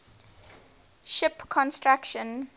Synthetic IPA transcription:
ʃɪpkʰɔ̃nstɹakʃə̃n

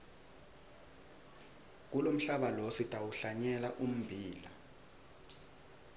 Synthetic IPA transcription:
k̬ulom̩ɬaɓalositʼawuɬaɲɛlaʔum̩bʱiːla

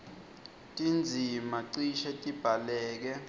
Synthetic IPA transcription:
tʼind͡zʱimaǀiʃɛtʼib̥ʱalɛːk̬ɛ

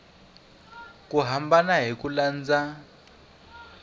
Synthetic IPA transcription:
kʼuɦambanaɦikuland͡za

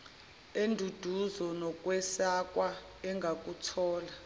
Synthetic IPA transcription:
endʱud̥ʱuzɔnɔkʼwɛsak̬ʼwa | ɛŋɡʱakʼutʰɔːla

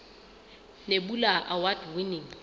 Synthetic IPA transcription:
nebulaʔawadwiniŋ

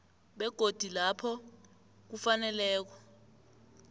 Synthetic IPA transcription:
ɓɛɡ̥ʱod̥ʱilapʰɔ | k̬ufanɛlɛːk̬ɔ

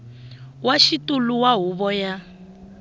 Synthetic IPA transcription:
waʃituluwaɦuβɔja

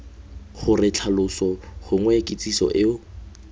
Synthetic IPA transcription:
χʊrɪt͡ɬʰalʊsɔχʊŋwɛkʼɪt͡sʼisɔ̰ʔɪʊ

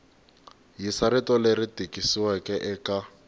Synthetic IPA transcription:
jisaɾɪtɔleritʼikʼisiwakʼɛʔɛka

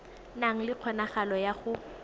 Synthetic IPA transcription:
naŋ̩lɪq͡χʰɔnaχalɔjaχʊ

